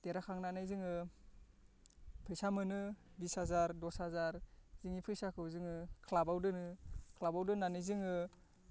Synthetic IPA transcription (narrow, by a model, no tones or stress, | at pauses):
teɾakʰaŋnanajzɯŋɯ | pʰɯjsamɯnɯbishazaɾdɔsazaɾzɯŋipʰɯjsakʰɯwzɯŋɯkʰlabawdɯnɯkʰlabawdɯnːanɯjzɯŋɯ